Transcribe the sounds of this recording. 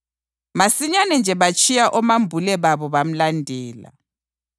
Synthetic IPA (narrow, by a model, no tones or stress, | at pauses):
masiɲanɛnd͡ʒʱɛβat͡ʃʼijaʔɔmambʱulɛβaβɔβam̩landʱɛːla̰